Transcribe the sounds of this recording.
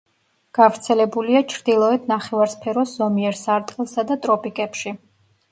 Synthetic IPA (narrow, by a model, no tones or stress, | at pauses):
ɡ̥avɾt̪sʰɛlɛbuliat͡ʃʰɾd̪ilˠɔɛd̪ʰnaχɛvaɾspʰɛɾɔsz̥ɔmiɛɾsaɾt̪ʼqʼɛlˠsad̪at̪ʼɾɔpʼikʼɛpʃi